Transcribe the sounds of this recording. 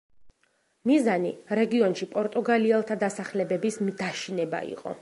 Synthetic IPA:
mizaniɾɛɡiɔnʃipʼɔɾt̪ʼuɡaliɛlˠt̪ʰad̪asaχlɛbɛbismd̪aʃinɛba̰ḭqʼɔ̰

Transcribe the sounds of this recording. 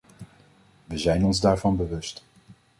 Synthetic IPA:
ʋəzɛjnɔnzdaːɹvɑnbəʋɵst

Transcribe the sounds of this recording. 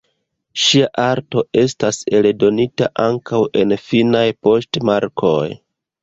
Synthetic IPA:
ʃiaʔaɾto̞ʔe̞stase̞ldo̞nita̰ʔaŋkawʔe̞nfinajpo̞stmaɾkʰo̞j

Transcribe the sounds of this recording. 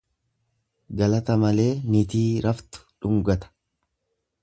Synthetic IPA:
ɡɐlɐt̪ɐmɐle̞ːnit̪iːɾɐft̪ʊ̥ᶑʊŋɡɐt̪ɐ̥

